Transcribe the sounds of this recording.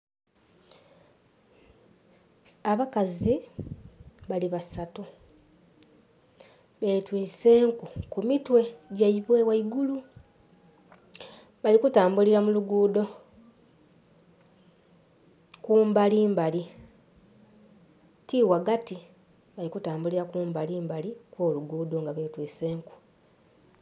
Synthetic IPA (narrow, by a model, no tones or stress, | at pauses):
aβakazi | βaliβasatu | βe̞twiːse̞ːŋkukumitwe̞ɟaiβwewaiɡulu | βalikutaːmbuliɾamuluɡuːdo̞ | kuːmbaliːmbali | tiwaɡati | βalikutaːmbuliɾakuːmbaliːmbalikwo̞ːluɡuːdo̞ŋɡaβe̞ːtwiːse̞ːŋku̥